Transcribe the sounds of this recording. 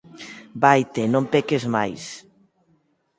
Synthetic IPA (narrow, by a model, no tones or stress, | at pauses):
bajt̪enõmpekezmajs